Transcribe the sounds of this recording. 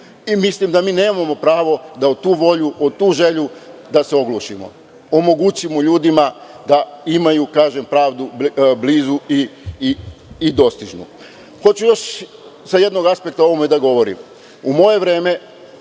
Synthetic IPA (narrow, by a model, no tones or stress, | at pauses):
imislimd̪amiːne̞ːmamo̞pɾaːʋo̞d̪aot̪uːʋo̞ʎuʔot̪uːʒe̞ʎud̪aseo̞ɡluʃimo̰ | omo̞ɡut͡ɕimoʎuːd̪ima | d̪aimajukaːʒe̞mpɾaːʋd̪ubliːzui | d̪o̞st̪iʒnṵ | xo̞t͡ɕujo̞ʃ | saje̞d̪no̞ɡaspe̞k̚t̪ao̞ʋomed̪aɡo̞ʋo̞ɾḭm | umo̞je̞ʋɾe̞ːme̞